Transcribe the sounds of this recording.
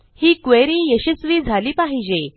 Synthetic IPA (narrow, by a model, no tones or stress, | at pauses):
hiːkʋeɾĩːjəɕisʋiːd͡zʱaliːpaɦid͡ʑe